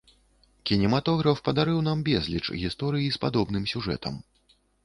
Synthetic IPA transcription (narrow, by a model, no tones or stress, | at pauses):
kʲinʲɛmat̪ɔɣɾɐfpɐd̪aɾɨwnambʲɛzʲlʲḭt͡ʂɣʲist̪ɔɾɨjispad̪ɔbn̪ɨmsʲuʐɛ̰t̪ɐ̰m